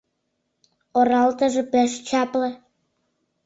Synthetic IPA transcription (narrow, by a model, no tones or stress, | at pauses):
oɾɑlt̪ə̆ʒĕpĕʃt͡ɕɑplɤ̆